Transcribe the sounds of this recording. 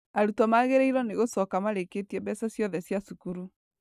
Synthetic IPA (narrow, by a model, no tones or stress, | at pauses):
aɾutɔmaɣeɾeiɾɔneɣosɔkamaɾeketiɛbɛsɔsjɔðɛsjasukuɾu